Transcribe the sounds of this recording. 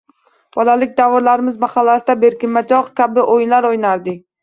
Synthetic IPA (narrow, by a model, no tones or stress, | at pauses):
b̥ɒlalɪk̚ʲd̪avɒɾlaɾɪmɪzmaχalːasɪd̪abe̞ɾkʲɪmːad͡ʒɒqkʲʰabɪʔojnlaɾojnaɾd̪ɪk̚ʲ